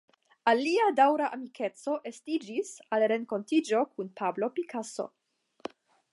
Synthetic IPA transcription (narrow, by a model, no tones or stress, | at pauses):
aliadawɾaʔamikʰe̞t͡so̞ʔe̞stid͡ʒisalɾe̞ŋko̞ntid͡ʒo̞kunpʰablo̞pikʰaso̞̰